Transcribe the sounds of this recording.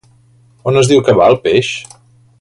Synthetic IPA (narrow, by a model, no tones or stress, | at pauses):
onəzðiwkəβaəlˠpeʃ